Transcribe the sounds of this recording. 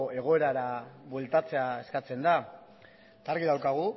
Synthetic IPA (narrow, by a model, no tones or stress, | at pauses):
e̞ɣ̞o̞e̞ɾaɾaβwelt̪at͡se̞ae̞skat͡se̞nd̪a | t̪aɾɣiðawkaɣ̞u